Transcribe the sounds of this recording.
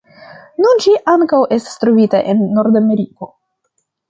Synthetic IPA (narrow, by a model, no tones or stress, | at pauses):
nunʃiʔaŋkawʔe̞stḁstɾovita̰ʔe̞nːo̞ɾdame̞ɾiko̞